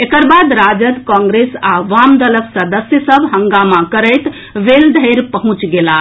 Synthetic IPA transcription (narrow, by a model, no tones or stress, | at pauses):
ekəɾbad̪ɾad͡ʒəd̪kɔ̃ŋɡɾesaʋamd̪ələksəd̪əsjəsəbɦəŋɡamakəɾəjt̪ | ʋeld̪ʱəɾpəɦũt͡ʃɡela